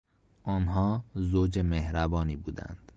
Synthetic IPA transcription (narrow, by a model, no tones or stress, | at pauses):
ʔɒːnɦɒːzoːd͡ʒemehɾæbɒːniːbuːd̪æ̰nd̪̥